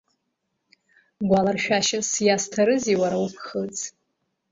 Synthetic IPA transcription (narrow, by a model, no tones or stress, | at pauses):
ɡʷalarʃᶣaʃasjastʰaɾɨziwaɾawupʰχət͡sʰʼ